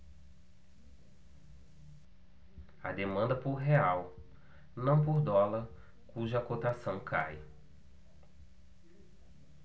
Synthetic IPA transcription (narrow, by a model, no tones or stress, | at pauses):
ɐ̰d̪emɐ̃nd̪ɐpoɾɦeaw | nɐ̃w̃p̬oɾd̪ɔlɐɾ | kuʒɐakot̪asɐ̃w̃kʰa̰j